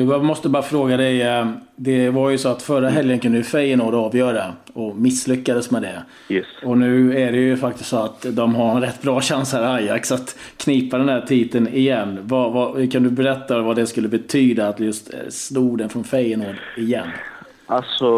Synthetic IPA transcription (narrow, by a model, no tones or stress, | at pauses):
d̪ɪmɔst̪əbɑːɾafɾoːɡad̪ɛj | d̪ɛvaɾjɵsɔat̪fœɾaɦɛljənkʰɵnd̪əjɵfɛɾjənoːd̪ɑːvjœːɾaɔmɪslʏkːad̪əsmɛd̪ɛ | ɛɔnʉ̟ːæɖɛjɵfak̚t̪ɪst̪sɔat̪d̪ɔmɦaɾɛnɾɛt̪ːbɾɑːɕansaɾajːa̰ksat̪ | kʰniːpad̪ɛnd̪æːʈʰiːt̪ənɪjɛnːvavakʰand̪ɵbɛɾɛt̪ːavad̪ɛskɵlːəbɛt̪ʰyːd̪aːt̪jɵst̪sluːɡd̪ɛnfɾɔnfɛɾjənoːd̪ɪjɛ̰nː | alsɔ